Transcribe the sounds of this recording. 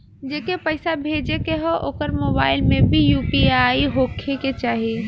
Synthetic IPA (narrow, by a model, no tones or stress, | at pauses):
d͡ʒeːkepəɪsabʱeːd͡ʒekeɦɛʔoːkəɾmoːbaːɪlmẽbʱijuːpiaiɦokʰeket͡ʃaːɦie